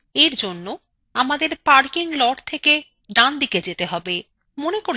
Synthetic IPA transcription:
eɾd͡ʑonːo | amad̪eɾpaɾkiŋlɔʈt̪ʰeke | ɖand̪iked͡ʑet̪eɦɔbe | monekoɾ

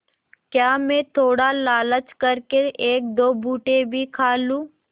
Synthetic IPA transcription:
kjaːmẽt̪ʰoːɽalaːlət͡ʃkəɾkeʔeːk̚d̪oːbʱuːʈebʱikʰaːlũː

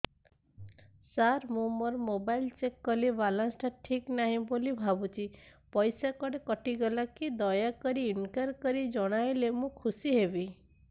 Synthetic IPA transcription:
saɾmũmɔɾmobajlt͡ʃekːɔliʋalãnsʈaʈʰiknaɦĩbolibʱabut͡ʃʰipɔjsakɔɽekɔʈiɡɔlakid̪ɔjakɔɾiinkaɾkɔɾid͡ʒɔɽ̃ajlemũkʰusiɦebi

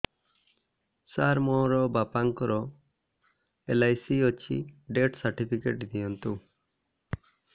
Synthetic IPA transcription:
saɾmɔɾɔbapaŋkɔɾɔ | elajsiɔt͡ʃʰḭɖeʈsaɾʈipʰikeʈd̪ijɔnt̪u

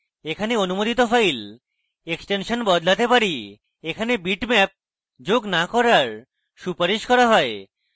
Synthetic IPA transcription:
ekʰaneonumod̪it̪ofʰajl | eksʈenʃonbɔd̪lat̪epaɾi | ekʰanebiʈmɛp̚ | d͡ʑoɡnakɔɾaɾ | ʃupaɾiʃkɔɾaɦɔe

